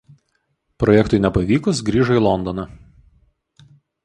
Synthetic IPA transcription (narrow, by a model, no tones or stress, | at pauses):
pɾɔjɛkt̪ʊɪnʲɛpɐʋʲiːkʊs̬ɡɾʲiːʒɐiːlˠɔnd̪ɔnɐ